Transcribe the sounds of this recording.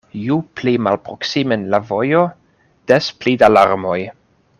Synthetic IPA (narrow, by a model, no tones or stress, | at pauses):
juplimalpɾoksimenlavo̞jo̞ | d̥esplidalaɾmo̞j